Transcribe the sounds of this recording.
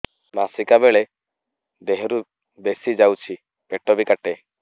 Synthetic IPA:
masikabeɭe | d̪eɦɾu | besid͡ʒawt͡ʃʰi | peʈɔbikaʈe

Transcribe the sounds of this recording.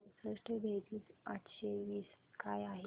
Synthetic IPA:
səʂʈeb̪ʱed̪iːt͡saʈɕeʋiːs | kajaɦe

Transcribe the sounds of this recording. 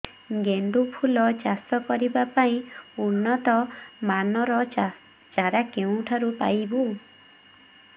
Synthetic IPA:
ɡeɳɖupʰulɔd͡ʒasɔkɔɾibapaĩunːɔt̪ɔmanɔɾɔ | t͡ʃaɾakeũʈʰaɾupa̰jbu

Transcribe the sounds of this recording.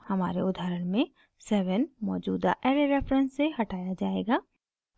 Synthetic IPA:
hɐma̰ːɾeʊd̪ʱaːɾəɽmẽ | sɛːʋənmɔːd͡ʒuːd̪a̰ʔɛːɾeɾɛːfɾə̃nsːeɦɐʈaːjad͡ʒaːḛːɡaː

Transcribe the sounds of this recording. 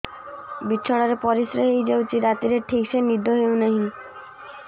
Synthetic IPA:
bitːɕʰɔɽ̃aɾepɔɾisɾeɦejd͡ʒewt͡ʃʰiɾat̪iɾeʈʰikʃenid̪ʱːoɦewnaɦĩ

